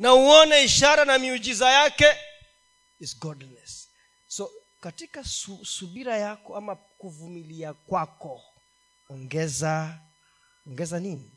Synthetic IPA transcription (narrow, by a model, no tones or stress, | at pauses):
nauɔnaiʃaɾanamiud͡ʒizajakɛ | izɡɔdnɛsː | ɔ | katikasusuɓiɾajakɔamakuvumiliakwakɔ | ɔŋɡɛza | ɔŋɡɛzanini